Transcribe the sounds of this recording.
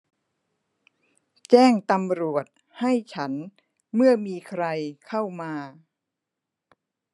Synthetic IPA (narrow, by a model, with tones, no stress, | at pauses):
t͡ɕɛː˥˩ŋt̪a˧mɾu˨˩ət̪̚ | ha˥˩jt͡ɕʰa˦˥n | mɯ˥˩ɐmiː˧kʰɾa˧jkʰa˥˩wmaː˧